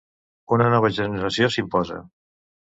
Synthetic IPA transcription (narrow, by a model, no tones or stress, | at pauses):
unənɔβ̞əʒənəɾəsiosimpɔzə̰